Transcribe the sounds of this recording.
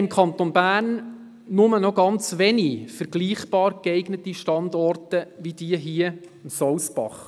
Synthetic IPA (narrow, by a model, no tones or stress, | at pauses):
ɪmkʰɑnt̪onbæːrnː | ʊmənɔɡɑnt͡sʋɛnifəɾɡ̥liːχb̥ɑːɾɡɛɪɡnətiʃtɑndɔrtəʋid̥iːəɦiə | msɔwsb̥ɑ̰χ